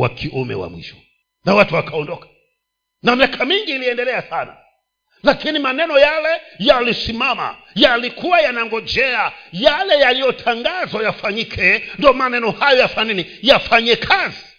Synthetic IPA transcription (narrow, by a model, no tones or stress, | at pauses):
wa̰kʰiʔumɛ̰wa̰mwḭʃɔ̥ | nawatuwakaɔndɔkḁ | namiakʰamiŋɡiːliɛndɛlɛasana̰ | lakinimanɛnɔjalɛjalisimama̰ | jalikuwajanaŋɡɔd͡ʒɛajalɛjalijɔtʰaŋɡazwajafaɲikʰɛndɔmanɛnɔhajɔjafaninijafaɲɛkʰazi